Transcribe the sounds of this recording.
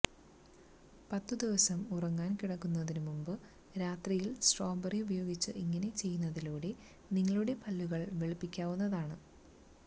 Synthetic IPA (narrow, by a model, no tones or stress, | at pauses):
pɐt̪ːɨd̪iʋɐsɐmurɐŋːaːnkiɽɐkːunːɐðinumumbɨ | ɾaːt̪rijilsʈro̞ːbɐriubɐjo̞ːɡit͡ɕːɨʔiŋːɐne̞t͡ɕe̞jːunːɐðiloːɽe | niŋːɐɭuɽe̞pɐlːuɣɐɭʋeɭipːikʲːaːʋunːɐðaːɳɨ